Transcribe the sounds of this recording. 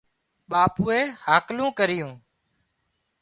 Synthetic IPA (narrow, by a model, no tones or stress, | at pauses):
ɓaːpuːeːhaːklũːkəɾɪjũː